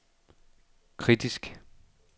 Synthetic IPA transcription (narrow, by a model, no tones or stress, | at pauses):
kʰʁid̥isɡ̥